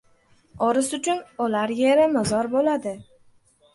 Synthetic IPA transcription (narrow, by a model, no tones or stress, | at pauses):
ɒɾɪsʊt͡ʃʰʊnʊlaɾjeɾɪmɪzɒɾbolad̪ɪ